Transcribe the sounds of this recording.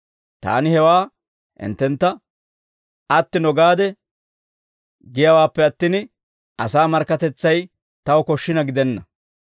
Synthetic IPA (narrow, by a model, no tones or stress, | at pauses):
t̪a̰ːnɪhɛwaː | ʔɪ̰nt̪ːɛnt̪ːɐ | ɐt̪ːɪnɔɡaːd̪ɛ | ɡɪjɐwaːpːɛɐt̪ːɪn | ʔɐsaːmɐɾkːɐt̪ɛt͡sːɐj | t̪ɐwɔkɔʃːɪnɐɡɪd̪ɛnːɐ